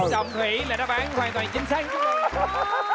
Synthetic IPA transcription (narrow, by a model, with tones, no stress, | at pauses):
zə˨wŋ͡mhi˧˩˦laː˨˩ɗaː˧˦˥ɓaː˨˦nwaː˨˩nt̪waː˨˩nt͡ɕï˨˦ŋ̟sa˦˥k̚